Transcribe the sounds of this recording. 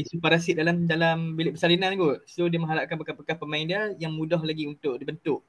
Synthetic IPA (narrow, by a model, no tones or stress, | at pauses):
isupaɾasidalamdalambilɪʔbəsalinanɡot̚sodiəmə̃ŋɦaɾaʔkanpəkapəkahpəmaindiəjaŋmũdɔhlaɡiunt̪ʊʔdibənt̪ʊʔ